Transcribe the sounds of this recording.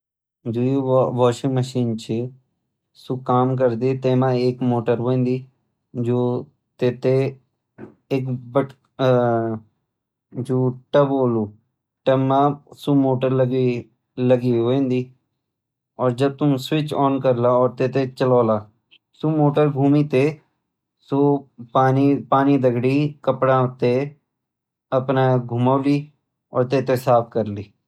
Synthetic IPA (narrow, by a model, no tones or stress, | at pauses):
d͡ʒoːiʋɔːʃiməʃiːnt͡ʃʰi | sukaːmk̬əɾd̪it̪eːmãːeːkmoːʈəɾɦoẽːnd̪iː | d͡ʒoː | t̪eːt̪e | ekbəʈ | d͡ʒoːʈəboːluː | ʈəmãːsumoːʈəɾləɡi | ləɡioːẽːnd̪iː | ɔːɾd͡ʒəb̚t̪ʊmswɪt͡ʃɔːnkəɾlaːɔːɾt̪eːt̪et͡ʃəlɔːlaː | suːmoːʈəɾɡʱuːmiːt̪eː | soːpaːnipaːniːd̪əɡɽiːkəpɽaːt̪e | əpnaːɡʱʊmaːliː | ɔ̰ːɾt̪eːt̪esaːpʰkəɾliː